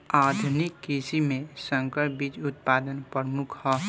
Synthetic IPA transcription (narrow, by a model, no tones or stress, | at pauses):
aːd̪ʱunikːisimẽsə̃ŋkəɾbid͡ʒʊt̪̚paːd̪ənpəɾmukʰhɔ